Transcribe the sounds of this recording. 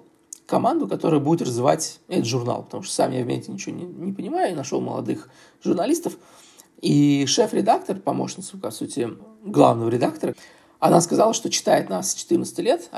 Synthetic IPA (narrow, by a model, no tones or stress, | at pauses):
kɐmand̪ʊkɐt̪o̞ɾɨjʊbudʲɪt̪rəzvʲɪva̰tʲɛt̪ət̪ʐʊrna̰lˠpət̪ɐmuʂt̪o̥sa̰mjavʲmʲḛsʲtʲɪnʲɪt͡ɕɪvo̰nʲɪnʲɪpənʲɪmajʊinɐʂo̞̰lˠmə̰lˠɐ̰d̪ɨx | ʐʊrnɐlʲist̪əf | iʂɛfɾʲɪd̪akt̪ərpɐmo̞̰ʂnʲɪt̪sʊkasutʲɪɡlˠa̰vnəvəɾʲɪd̪akt̪əɾə | ɐnaskɐzalˠəʂt̪o̞t͡ɕɪ̥t̪aɪt̪nasːt͡ɕɪ̥t̪ɨrnət̪sə̥tʲɪlʲet̪